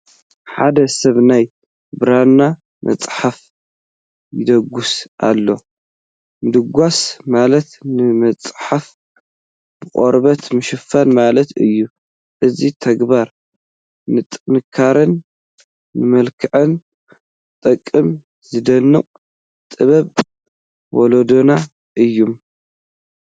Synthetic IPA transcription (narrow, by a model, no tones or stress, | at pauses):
ħad̪ɐsɐβnaj | bɨɾanːa | mʔɐ̰t͡sʼħaf | jɪd̪ɐɡːusʔa̰lːo̞ | mɨd̪ɨɡʷasmalɐt̪nɨmɐt͡sʼħaf | b̥ɨχʼoɾbɐt̪mɨʃɨfanmalɐt̪ɨjːu | ʔɨzit̪ʰɐɡbaɾ | nɨt̪ʼnɨkʰːaɾɨnː | ɨmɐlkʰɨʕɨn | t̪ʼɐkʼːɨm | zɨd̪ɐnːɨqʼ | t̪ʼɨβɐβ | wɔlod̪ona | ʔɨjːum